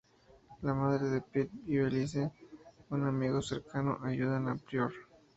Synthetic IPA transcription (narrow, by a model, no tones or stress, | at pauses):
lamaðɾeðepet̪̚biβelis̬eunamiɣoseɾkano̰ʔaʝuðanapɾjoɾ